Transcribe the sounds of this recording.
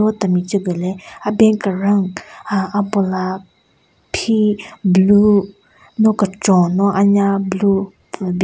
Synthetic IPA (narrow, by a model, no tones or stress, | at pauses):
ot̪amit͡ʃəɡəlɛabɛnkəɾaŋʔapola | pʰiblu | nɔkəʈ͡ʂɔnɔʔaɲablu | b